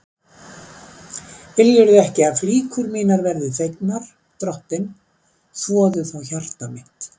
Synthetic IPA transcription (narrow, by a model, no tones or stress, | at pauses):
vɪljɛɾðɪɛhcɪaðfliːkʰʏɾmiːnaɾvɛɾðɪθejknaɾ̥ | t̪ɾɔhpɪn | svɔːðʏθawçar̥t̪amɪht̪